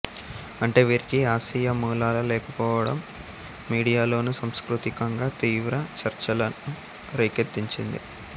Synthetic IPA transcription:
ɐɳʈe̞ːʋiːɾikiaːsijɐmuːlaːlɐlɛːkɐpɔːʋɐɽɐ̰mː | iːɽijaːlo̞ːnusɐmskɾut̪ikɐŋɡaːt̪iːʋɾɐt͡ʃɐɾt͡ʃɐlɐnu | ɾɐjket̪ːiɲt͡ʃind̪ḭ

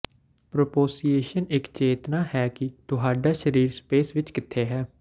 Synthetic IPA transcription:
pɾoːpoːsiːeːʃənɪkt͡ʃeːt̪naːhɛːkɪt̪ʊɦaːɖaːʃəɾiːɾspeːsʋɪt͡ʃkɪt̪ʰːeːɦɛː

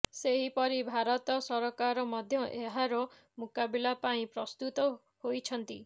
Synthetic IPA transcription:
seɦipɔɾibʱaɾɔt̪ɔsɔɾɔkaɾɔmɔd̪ʱjɔʔeɦaɾɔ | mukabilapaĩpɾɔst̪ut̪ɔ | hojt͡ʃʰɔnt̪ḭ

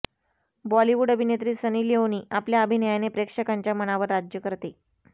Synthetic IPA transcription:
bɔliʋuɖəbʱinet̪ɾiːsəniːljeoniːʔapljaəbʱinəjanepɾekʂəkaɲt͡ɕjaməɽ̃aʋəɾːad͡ʑjəkəɾt̪e

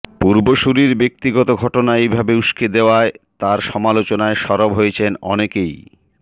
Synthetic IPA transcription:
puɾboʃuɾiɾbek̚t̪iɡɔt̪oɡʱɔʈonaejbʱabeuʃkʰed̪eoaet̪aɾʃɔmalot͡ɕonaeʃɔɾobɦojet͡ɕʰenɔnekej

